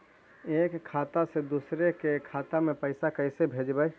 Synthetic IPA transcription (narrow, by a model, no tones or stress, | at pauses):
eːkʰːaːt̪ased̪uːsɾekekʰaːt̪amẽpəɪsakəɪsebʱeːd͡ʒbəj